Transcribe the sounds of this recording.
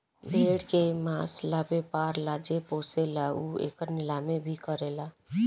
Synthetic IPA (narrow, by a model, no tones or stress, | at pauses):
beɽkemaslabepaɾlad͡ʒepoːselauḛːkəɾnɪlamebʱikəɾela